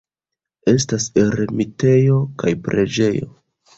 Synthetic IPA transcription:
e̞staseɾemite̞jo̞kajpɾe̞d͡ʒe̞jo̞̰

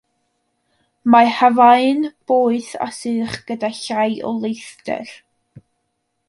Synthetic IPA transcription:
mahavaɨnb̥oːɨθa̰sɨːχɡ̥ədaɬajʔɔ̰lˠejθtɛ̰r

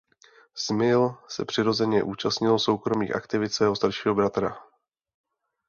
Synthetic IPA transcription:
smɪlsɛ̰pr̝̥ɪɾo̞zɛɲɛʔuːt͡ʃast̪ɲɪlso̞wkɾo̞miːxʔa̰kt̪ɪvɪt̪sɛːɦost̪aɾʃiːɦo̞bɾat̪ɾa̰

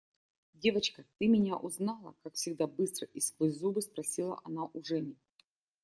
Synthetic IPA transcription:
dʲevət͡ɕkət̪ɨmʲɪnʲaʔʊznɑlˠə̰kakfsʲɪɡd̪abɨst̪ɾəʔɪskvɨzubɨspɾɐsʲilˠə̰ʔɐnaʔʊʐɛnʲɪ

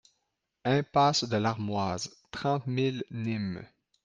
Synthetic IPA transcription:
ɛ̃pasd̪əlaʁmwazt̪χɑ̃t̪milnim

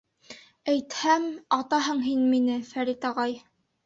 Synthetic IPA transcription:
æjt̪hæmɑt̪ɑɦɤɴɦinminɘfæɾit̪ɑʁɑj

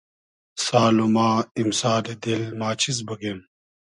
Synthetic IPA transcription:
saːlumaːimsaːded̪ilmaːt͡ɕʰiz̬bɐɡen

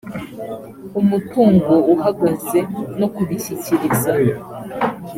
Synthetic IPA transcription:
umutuːŋɡouhaɡaze̞nokuβiçiciɾizajo

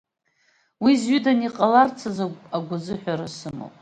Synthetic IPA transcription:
wizɥidaniqʼalart͡sʰazaaɡʷʊzɨħʷᶣaɾasɨmo̰pʼ

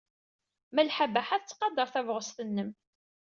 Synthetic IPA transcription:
mælħabæħaθt͡sːqɑd̪əɾˤθævʁəst̪ənːəm

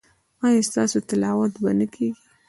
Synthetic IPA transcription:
ɑjɑst̪ɑsot̪ɪlɑwat̪banəkʰeɡi

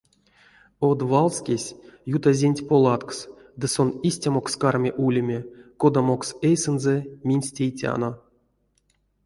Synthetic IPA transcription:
od̪valˠskʲesʲjut̪azʲenʲtʲpolˠɑt̪ks | d̪ɨso̞nisʲtʲamo̞kskarmʲeʔulʲemʲeko̞d̪amo̞ksejsɨnzɛmʲinʲsʲtʲejtʲa̰no̞

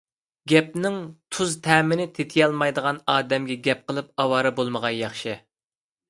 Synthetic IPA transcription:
ɡʲɛp̚nɪŋt̪ʰuzt̪ʰɛːmɪnɪt̪ʰet̪ʰɪjɑlˠmɑjd̪əʁɑnɑːd̪ɛmɡʲɛɡʲɛp̚qʰəlˠɨp̚ɑwɑːɾɨbolˠməʁɑnjɑχʃɨ

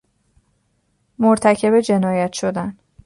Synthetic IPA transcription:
moɾt̪ʰæcʰe̞bed͡ʒe̞nɒːjæt̪ʰʃod̪æn

